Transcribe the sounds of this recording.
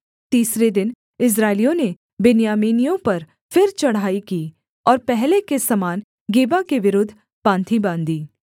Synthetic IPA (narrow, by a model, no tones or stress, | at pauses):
t̪iːsɾed̪ɪn | ɪs̬ɾaːɪlijõne | bɪnjaːmiːnijõpɐɾ | fɪɾt͡ʃɐɽ̤aːikiː | ɔːɾpɛɦlekesɐmaːn | ɡeːbakeʋɪɾʊd̪ʱː | pãːnt̪ʰibãːnd̪iː